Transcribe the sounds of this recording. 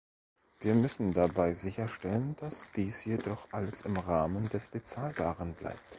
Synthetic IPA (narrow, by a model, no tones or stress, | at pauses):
v̥iːɐmʏsn̩dabaɪzɪçɐʃtɛlənd̥asd̥iːsjedɔχʔaləsɪmʁaːməndɛsb̥ət͡saːlbaːʁənbla̰ɪp̚t